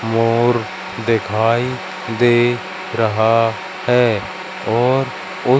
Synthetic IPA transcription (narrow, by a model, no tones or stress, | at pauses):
moːɾ | d̪ekʰaːi | d̪eː | ɾəɦa | hɛː | ɔːɾ | ʊ